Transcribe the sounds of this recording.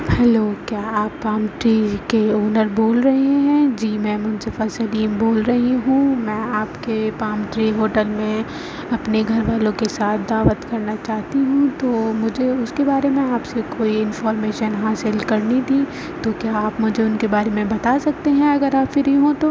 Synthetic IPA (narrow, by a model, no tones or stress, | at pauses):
hɛloːkjaːaːpːaːmʈɾeːkeoːnəɾboːlɾɐɦeɦɛ̃d͡ʒiːmɛ̃ːmʊ̃nsɪfasɐliːmboːlɾɐɦiɦũmɛ̃ːaːpkepaːmʈɾiɦoːʈəlmẽ | ɐpneɡʱɐɾʋaːlõkesaːt̪̚ʰd̪aːʋət̪kɐɾnat͡ʃaːɦt̪iɦũt̪oːmʊd͡ʒʱeʊskebaːɾemẽaːpsekoːiɪnfɔːɾmeːʃənɦaːsɪlkɐɾnid̪iː | t̪okjaːaːpmʊd͡ʒʱeʊnkebaːɾemẽbɐt̪asɐk̚t̪eɦɛ̃ɐɡəɾaːpfɪɾiɦõt̪oː